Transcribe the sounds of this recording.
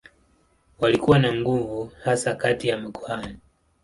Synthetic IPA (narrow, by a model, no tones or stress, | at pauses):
walikuwanaŋɡuvuhasakatijamiɡuhani